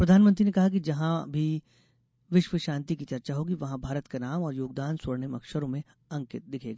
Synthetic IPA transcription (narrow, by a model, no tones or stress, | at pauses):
pɾɐd̪ʱaːnmə̃nt̪ɾinekɐɦak̬id͡ʒɐɦãbʱi | ʋɪʃʋəʃãːnt̪ikit͡ʃɐɾt͡ʃaɦoːɡiʋɐɦãbʱaːɾət̪kanaːmɔːɾjoːɡ̚d̪aːnsɐɽnemɐ̰kʃəɾõmẽ | ɐ̃ŋkɪt̪̚d̪ɪkʰeːɡaː